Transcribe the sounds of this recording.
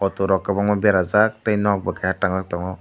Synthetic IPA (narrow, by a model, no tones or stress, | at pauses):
ɔt̪uɾɔkːabaŋmabɛɾazak̚t̪ajnɔk̚bakajaʈaŋzak̚tɔŋɔ